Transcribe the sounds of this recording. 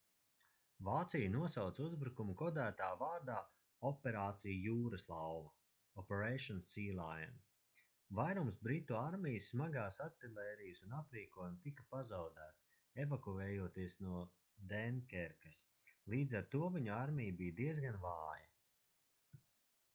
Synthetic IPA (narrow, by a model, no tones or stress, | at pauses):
vaːt̪sijɐnuɔsawt̪suzbɾukumukɔd̪æːt̪aːvaːɾd̪aː | ɔpɛɾaːt̪sijujuːɾɐslˠawvɐ | ɔpɛɾɛjʃɔnsiːlˠaja̰n | vajɾumsbɾit̪ːuaɾmʲijsːmaɡaːsat̪ːilˠɛːɾijsunapɾiːkuɔjumt̪ikapazawd̪æːt̪s | evakuɛːjuɔt̪iəsnuɔ | d̪ɛnkʲɛɾkɐs | lˠiːd̪zaɾt̪uɔviɲuaɾmʲijbijd̪iɛzɡanvaːjɐ